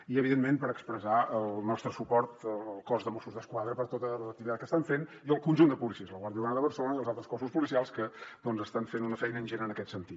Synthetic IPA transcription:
iəβiðenmempəɾəkspɾəzaəlˠnɔst̪ɾəsupɔɾt̪əlˠkɔzðəmosuzðəskwaðɾəpəɾt̪ot̪ələək̚t̪iβitat̪̚kəst̪aɱfen | iəlˠkunʲʒund̪əpulisiəzləɣwaɾðjiuanəðəβəɾrsəlonəiəlˠzalˠt̪ɾəskɔsuspulisialˠskəd̪ɔnzəst̪aɱfenunəfɛjnəːnʲʒenəːnəkɛt̪sənt̪it̪

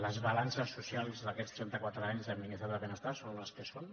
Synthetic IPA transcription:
ləzβalansəsːusialˠzðəkɛt͡st̪ɾɛnt̪əkwat̪ɾəaɲzðəmminiθaɾðəβenəst̪asonləskəson

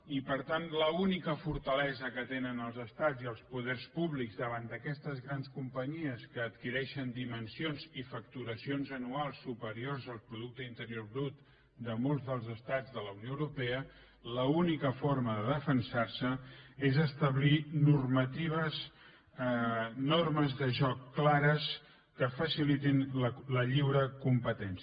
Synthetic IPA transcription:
ipəɾt̪anləunikəfuɾt̪əlɛzəkət̪enənəlˠzəst̪ad͡ziəlˠspuðɛrspuβlikɡzðəβ̞and̪əkɛst̪əzɣɾanskumpəɲiəskəːt̪kiɾɛʃənd̪imənsionzifəkt̪uɾəsionzənualˠsːupəɾiorzəlˠpɾuð̞uk̚t̪əint̪əɾijorβɾut̪ | d̪əmolˠzðəlˠzəst̪ad͡zðələunjoəwɾupɛə | ləunikəfoɾməðəðəfənsarsəezəst̪əβlinurmət̪iβ̞əz | norməzðəʒɔkːlaɾəs | kəfəsilit̪inlləʎiwɾəkumpət̪ɛns

